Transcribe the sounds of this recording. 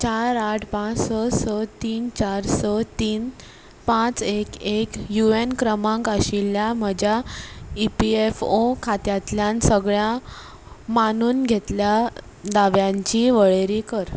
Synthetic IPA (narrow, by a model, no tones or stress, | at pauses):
t͡ɕaɾaʈʰpãt͡ssəsət̪iːnt͡ɕaɾsət̪iːn | pãt͡sekekjuenkɾəmãŋkəɕiljam̤əd͡ʑjaipiefokʰat̪jat̪ljansəɡɭjã | manuːnɡʱet̪lja | d̪aʋjãɲt͡ɕiʋəɭeɾikəɾ